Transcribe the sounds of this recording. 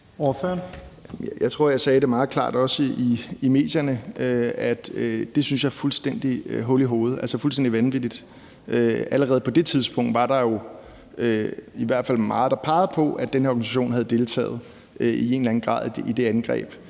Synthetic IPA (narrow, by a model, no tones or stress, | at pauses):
ɔføɐn | jäɪt͡sʰʁo̝ɐ̰jɑ̈ɪsɛːɾ̥e̝mɑ̈ːð̞̩ˠkʰlɑ̰̈ːd̥ɒ̽səiime̝̰ːd̥jɐnəʔøæd̥d̥e̝synsjɑ̈fulsd̥en̰d̥iɦɔliɦo̝ːð̞̩ˠælsəfulsden̰d̥iʋænʋid̥id̥ | ʔøæləʁɛːð̩ˠpʰɒ̽d̥e̝t͡sʰið̞ˠspʰɔ̽ŋ̰d̥ʋɑ̈ɾ̥ɑ̈jo̝ | øiʋæɐd̥fæl̰mɑ̈ːð̩ˠd̥ɑ̈pʰɑ̈ɪð̩ˠpʰɒ̽ʔæd̥enheɐɒɡ̥nisæɕo̝̰ːnɦæð̩ˠd̥e̝lt͡sʰɛ̰ːð̞̩ˠ | ie̝ːnlæn̩ɡ̥ʁɑ̰̈ːðˠid̥e̝ænɡ̥ʁɛ̰ːb̥